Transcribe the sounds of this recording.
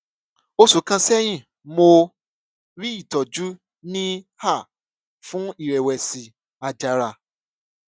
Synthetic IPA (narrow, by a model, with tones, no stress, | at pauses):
o˧sũ˨˦kã˧sɛ˦j̃ĩ˦˨ | mo˧ | ɾi˦i˦˨tɔ˨d͡ʒu˦ | nĩ˦ha˦˨ | fũ˦i˦˨ɾɛ˨wɛ˨si˨ | a˧d͡ʒa˨˧ɾa˧˨